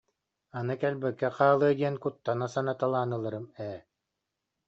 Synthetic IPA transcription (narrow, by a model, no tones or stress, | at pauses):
anɯkɛlʲbɛkːɛqaːlˠɯɐd̪ʲiɛnkut̪ːanasanat̪alˠaːnɯlˠɯɾɯmɛː